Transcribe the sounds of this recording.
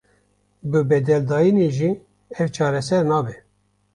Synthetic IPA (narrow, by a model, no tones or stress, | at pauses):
bɨbɛd̪ɛld̪ɑːjineʒi | ɛvt͡ʃʰɑːɾɛsɛɾnɑːbɛ